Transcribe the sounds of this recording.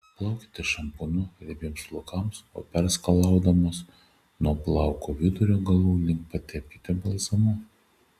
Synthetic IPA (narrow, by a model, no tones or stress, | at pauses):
plˠɐˑʊkʲɪ̥t̪ʲɪʃɐmpʊnʊɾʲɛbʲiɛmslˠʊkɐˑmso̰ːpʲɛɾskɐlˠɑˑʊd̪ɐmoːs | nuɔplˠɑˑʊkoːʋʲɪd̪ʊɾʲoːɡɐlˠuːlʲɪŋkpɐt̪ʲɛpʲkʲɪt̪ʲɛbɐlʲˠsɐmʊ